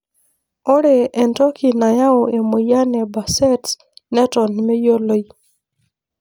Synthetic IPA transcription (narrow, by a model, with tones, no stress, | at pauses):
ɔ˦ɾe˨ɛ˨ntɔ˦kʰi˨na˨ja˦o˨e˨mo˨ja˦nɛ˨ba˨sɛ˦t | nɛ˦tɔ˨nmɛ˦jo˦lo˦i˦